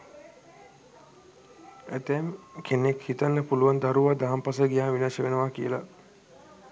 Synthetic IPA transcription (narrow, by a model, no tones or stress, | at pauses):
æt̪eːmkʰenekhit̪anːəpuluʋand̪aɾuʋad̪aɦampasəɡijaːʋinaːʃəʋenəʋakijəla